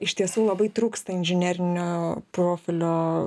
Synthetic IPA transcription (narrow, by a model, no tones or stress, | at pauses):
ɪʃt̪ʲiɛsuːlˠɐbɐɪt̪ɾuːkst̪ɐɪnʲʒʲɪnʲæːɾʲɪnʲoːproːfʲɪlʲoː